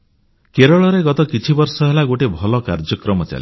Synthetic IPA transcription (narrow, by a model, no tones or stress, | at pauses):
keɾɔɭɔɾeɡɔt̪ɔkit͡ʃʰibɔɾsɔɦelaɡoʈebʱɔlɔkaɾd͡ʒɔkɾɔmɔt͡ʃa̰li